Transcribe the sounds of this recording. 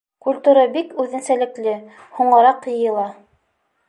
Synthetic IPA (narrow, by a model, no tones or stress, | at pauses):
kulʲt̪uɾɑbikʉðɘ̆nsælɘ̆klɘ | huɴɤ̆ɾɑqjɤ̆jɤ̆lˠɑ